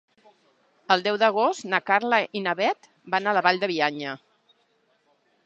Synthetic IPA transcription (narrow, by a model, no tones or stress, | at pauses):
əlˠd̪ɛwðəɣ̞ost̪nakaɾləʔinaβɛt̪ | banaləβaʎd̪əβiaɲə